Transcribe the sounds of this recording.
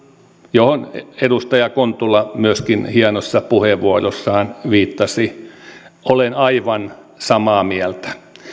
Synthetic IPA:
johonedust̪ɑjɑkont̪ulːɑmyøskinhiɑnosːɑpuheʋʋuorosːɑːnʋiːt̪ːɑsi | olenɑiʋɑn | sɑmɑːmiælt̪æ̥

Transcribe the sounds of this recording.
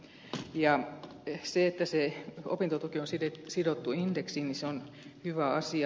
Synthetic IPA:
jɑ | seet̪ːæseo̰pint̪ot̪ukionsidesidot̪ːuindeksiːniseon | hyʋæɑsiɑ

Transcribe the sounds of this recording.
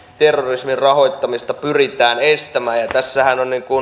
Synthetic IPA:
t̪erːorismirrɑhoˑit̪ːɑmist̪ɑpyrit̪æːnest̪æmæːjjɑt̪æsːæhænonniŋkun

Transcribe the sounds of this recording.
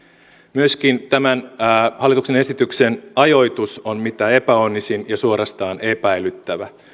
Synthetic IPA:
myøsk̟int̪æmænːhɑlːˑit̪ukse̞ne̞sit̪yksenɑjo̞jt̪usonmit̪æe̞pæo̞nːisinjɑsuo̞ɾɑst̪ɑːne̞pæjlyt̪ːæʋæ

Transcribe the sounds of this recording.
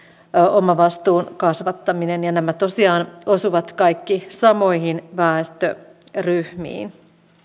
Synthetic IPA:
ʔomɑʋɑst̪uːnkɑsʋɑt̪ːɑminenjɑnæmæt̪o̞siɑːnosuʋɑt̪kɑjkːisɑmojhinʋæːst̪ø̰ryhmḭːn

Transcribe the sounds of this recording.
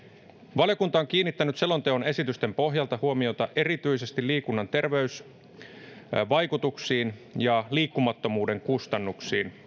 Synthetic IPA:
ʋɑljo̞kunt̪ɑoŋk̟iːnːit̪ːænyt̪selːo̞nt̪eo̞ne̞sit̪yst̪e̞mpo̞ɦjɑlt̪ɑhuomio̞t̪ɑʔe̞ɾit̪yise̞st̪iliːkunːɑnt̪e̞rʋe̞ys | ʋɑjkut̪uksiːnjɑliːkːumɑt̪ːo̞muːde̞ŋkust̪ɑnːuksiːn

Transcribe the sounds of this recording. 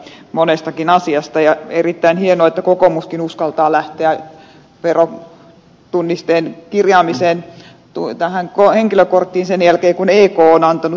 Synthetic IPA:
monest̪ɑkinɑsiɑst̪ɑjɑerit̪ːæinhienoet̪ːækokomuskinuskɑlt̪ɑːlæht̪eæ | ʋero | t̪unːist̪eːnkirjɑːmiseːn | t̪ut̪æhæŋkoheŋkiløkort̪ːiːnsenjælkeːkuneːkoːonɑnt̪ɑnu

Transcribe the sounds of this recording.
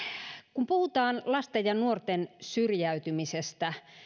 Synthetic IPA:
kumpuhut̪ɑːnlɑst̪ejjɑnuort̪ensyrjæyt̪ymisest̪æ

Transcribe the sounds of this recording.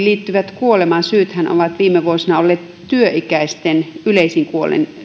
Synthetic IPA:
liːt̪ːyʋæt̪kuolemɑnsyːt̪hæno̰ʋɑt̪ʋiːmːeʋuosinɑolːeːt̪ | t̪yøʔikæist̪enyleisiŋkuolḛn

